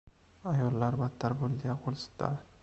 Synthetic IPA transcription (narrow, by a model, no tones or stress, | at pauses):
ajɒlːaɾbat̪ʰːaɾbolɡʲaqʰolˠst̪ʰːa̰